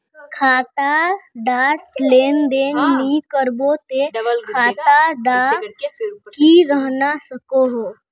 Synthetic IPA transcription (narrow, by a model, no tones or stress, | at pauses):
kʰaːt̪aɖaːɾpleːnd̪eːnnikəɾbot̪ekʰaːt̪aɖa | kiɾəɦnasəkoɦoː